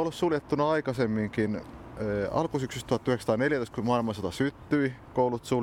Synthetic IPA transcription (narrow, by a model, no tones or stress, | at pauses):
olːssuljet̪ːunɑɑikɑsemːiŋkinː | ɑ̰lkusyksyst̪uɑt̪ːyheksɑ̥t̪ɑːˑneljæt̪oˑist̪kumɑilmɑsɑt̪ɑsyt̪ːyikoulut̪su